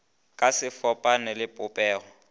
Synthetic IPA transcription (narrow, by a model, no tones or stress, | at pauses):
kʼasɪfɔpʼanɛlɪpʼʊpʼɛːɣɔ